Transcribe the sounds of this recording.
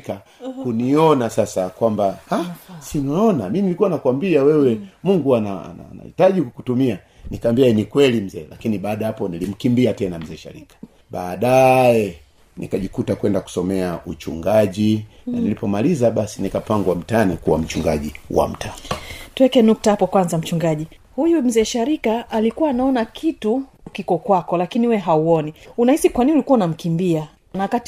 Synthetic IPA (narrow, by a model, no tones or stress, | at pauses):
ka | kuniɔnasasakwambahasinɔɔnamiminilikuwanakwambiawɛwɛmuŋɡuanaa̰na̰na̰ḭtaʄikutumia | nikambiaɛnikwɛlim̩zɛːlakiniɓaːɗahapɔnilim̩kimbiatɛnam̩zɛːʃa̰ɾḭkḁ | ɓaːɗajɛ | nḭkaʄikutakwɛndaku̥sɔmɛaut͡ʃṵŋɡaʄinanilipɔmalizaɓasinikapaŋɡwam̩tanikuwam̩t͡ʃuŋɡaʄiwa̰m̩tʰanituwɛkɛnuk̚tahapɔkwanzam̩t͡ʃuŋɡaʄi | hujum̩zɛːʃaɾikaʔːlikuwaːnaɔnakʰitukikɔkwakɔlakiniwɛɦauɔniunahisikwaniniulikuwaunam̩kimbia | nawakat